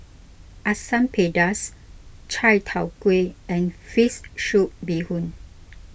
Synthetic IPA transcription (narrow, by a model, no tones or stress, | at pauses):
ʔasãmpʰedas | t͡ʃʰajtʰawkweɛ̃nfisʃuʔ̚bihũn